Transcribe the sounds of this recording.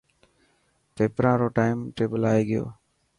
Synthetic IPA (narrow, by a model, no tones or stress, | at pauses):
peːpəɾãːɾoːʈaːɪmʈɾeːbəlaːeːɡɪjo̰ː